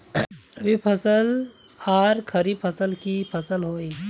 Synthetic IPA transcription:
ɐbʱipʰɐsəl | aːɾkʰəɾiːbpʰəsəlkipʰɐsəlɦoːi

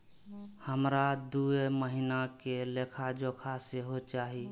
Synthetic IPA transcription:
həmɾad̪ueməɦinakelekʰad͡ʒokʰaseɦot͡ʃaɦi

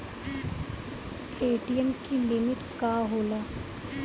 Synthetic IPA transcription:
eːʈijənkilɪmɪʈ̪kaːɦoːlaː

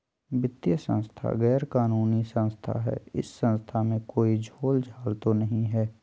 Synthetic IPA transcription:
bɪt̪jəsə̰̃nst̪ʰa̰ɣɛːɾkaːnuːnisə̃nst̪ʰa̰ɦɛ̰ːɪ̰sːə̃nst̪ʰamẽkoːid͡ʒʱoːld͡ʒʱaːlt̪onəɦĩɦɛː

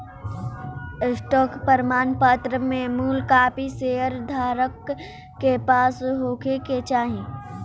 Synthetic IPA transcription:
sʈɔːkpəɾmaːnpət̪ɾəmẽmuːlkaːpiseːəɾd̪ʱaːɾəkː | epaːsɦoːkʰeket͡ʃaːɦẽː

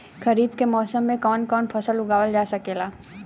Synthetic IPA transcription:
kɐɾiːbkemɔːsəmːẽkɔːnkɔːnpʰɐsəlʊɡaːwəld͡ʒaːsɐkeːlaː

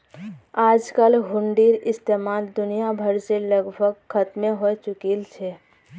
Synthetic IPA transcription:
aːd͡ʒkəlɦʊɳɖiɾɪst̪eːmaːld̪ʊnijabʱəɾseləɡbʱəɡxʰət̪mẽɦot͡ʃʊkilt͡ʃʰeː

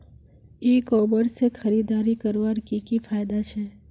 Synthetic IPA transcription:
eːkɔːbəɾsexɐɾiːd̪aːɾikɐɾʋaɾkikifʰaːjd̪at͡ʃʰɛː

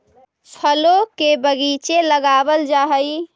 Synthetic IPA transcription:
t͡ʃʰəlokebəɡit͡ʃeləɡaːbəld͡ʒaːɦəi

